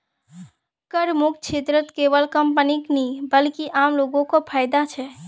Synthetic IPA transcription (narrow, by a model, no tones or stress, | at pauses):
kəɾmukt͡ʃʰet̪ɾət̪kebəlkəmpəniknibəlkiʔamloɡõkopʰajd̪at͡ʃʰɛ